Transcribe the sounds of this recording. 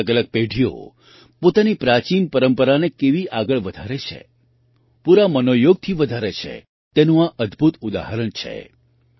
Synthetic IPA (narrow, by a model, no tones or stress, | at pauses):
əɡələɡ̚peɖʱio̰ | pot̪anipɾat͡ʃinpəɾəmpəɾanekeʋiʔaɡəɭʋəd̪ʱaɾet͡ʃʰḛ | puɾamənojoɡ̚t̪ʰiʋəd̪ʱaɾet͡ʃʰḛ | t̪enũaʔəd̪bʱut̪ud̪a̰ɦəɾəɳt͡ʃʰḛ